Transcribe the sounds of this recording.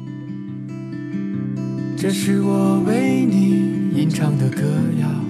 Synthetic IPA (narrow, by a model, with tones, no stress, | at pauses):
ʈ͡ʂɤ˧ʂɻ̩˥˩wɔ˨˩we˧˥ɪni˨˩i˧˥nʈ͡ʂʰɑ˥ŋd̪ə˨kɤ˥˧ja˨˩